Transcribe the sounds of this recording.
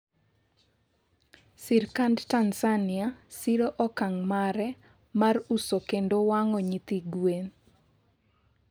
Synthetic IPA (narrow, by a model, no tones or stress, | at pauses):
sirkandtansanɪasiɾoʔɔkaŋmaɾɛ | marusokendowaŋɔɲit̪iɡwen